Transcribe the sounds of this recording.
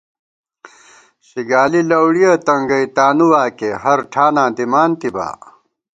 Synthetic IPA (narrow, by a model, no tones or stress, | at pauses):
ɕiɡaːlilɐwɽijɐt̪ɐŋɡɐit̪aːnuwaːkeɦɐɾʈʰaːnãːd̪imaːnt̪iba̰ː